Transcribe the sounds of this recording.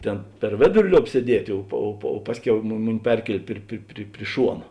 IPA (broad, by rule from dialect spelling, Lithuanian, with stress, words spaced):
ˈtʲeːn pʲɛr ˈʋʲeːdʊrʲɪ ˈlʲoːp sʲiɛˈdʲiɛtʲeː ˈoː poː oː poː ˈpɑːsʲˌkʲɛʊ mʊ ˈmʊˌnʲɪ ˈpʲɛrʲkʲiɛlʲeː ˈpʲrʲɪ pʲrʲɪ pʲrʲɪ ˈʃuɔnɐ